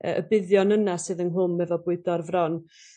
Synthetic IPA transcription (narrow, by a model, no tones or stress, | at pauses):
ə̰ʔəbɪðjɔnənasɨːðənɦʊmːɛvɔbʊɨdɔrvrɔn